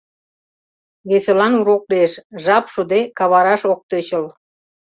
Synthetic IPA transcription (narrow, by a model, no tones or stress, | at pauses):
βeselɑnuɾokleʃʒɑpʃud̪ekɑβɑɾɑʃok̚t̪øt͡ɕəl